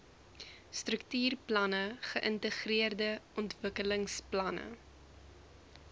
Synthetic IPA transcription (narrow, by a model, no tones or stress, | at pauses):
strəktyːrplɐnəχəʔəntəχriərdəʔɔntvəkələŋsplɐnə̰